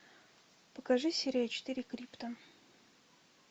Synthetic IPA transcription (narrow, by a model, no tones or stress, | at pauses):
pəkɐʐɨsʲeɾʲjat͡ɕɪ̥t̪ɨɾʲɪkɾʲipt̪ə